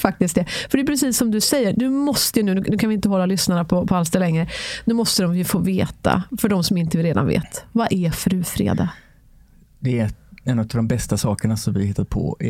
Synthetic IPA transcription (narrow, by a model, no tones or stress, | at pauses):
fak̚t̪ɪsk̪̚d̪ɛfœɖɛjʉpɾɛsiːsːɔmd̪ɵsɛjːəɾd̪ɵmɔst̪əjɵnʉ̟ːnʉnʉkʰanvɪɪnt̪əɦɔlːalʏsnaɳapʰɔpʰɔalsd̪ɛlɛŋːɾənʉ̟ːmɔst̪əd̪ɔmvɪfoːveːt̪ʰa̰fœɖɔmsɔmɪnt̪əvɪɾeːd̪a̰nvḛːt̪vaʔɛfɾʉ̟ːfɾḛːd̪a̰ | d̪ɛɛnːt̪ːavd̪ɔmbɛst̪asɑːkəɳasɔmvɪahɪt̪ːad̪pʰɔ̰